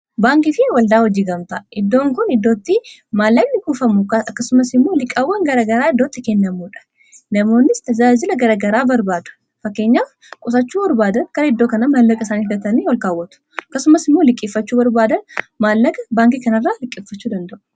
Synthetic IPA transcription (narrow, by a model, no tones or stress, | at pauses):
baːŋkɪfɪwɐld̪aːhɔd͡ʒiːɡɐmt̪ɐʔɪd̪ːo̞ːŋkʊnɪd̪ːo̞ːt̪ːɪmaːlːɐɡnɪɡuːfɐmʊɐɐkːɐsʊmɐsɪmːo̞ːlɪkʼːɐwːɐŋɡɐɾaːɡɐɾaːɪd̪ːo̞ːt̪ːɪkɛnːɐmuːᶑɐ̥ | nɐmo̞ːnːɪst̪ɐd͡ʒaːd͡ʒɪlɐɡɐɾaːɡɐɾaːbɐɾbaːd̪ʊ̥ | fɐkːe̞ːɲːaːf | kʼʊsɐt͡ʃːuːbɐɾbaːd̪ɐnkɐɾɐɛd̪ːo̞ːkɐnɐmaːlːɐɡʼɪsaːnifd̪ɐt̪ɐniːwɐlkaːwːɐt̪ʊ̥ɐkːɐsʊmɐsɪmːoːlɪkʼːɪfːɐt͡ʃːuːbɐɾbaːd̪ɐnmaːlːɐɡɐbaːŋkɪkɐnɐrːaːlɪkʼːɪfːɐt͡ʃːuːd̪ɐnd̪ɐʔʊ̥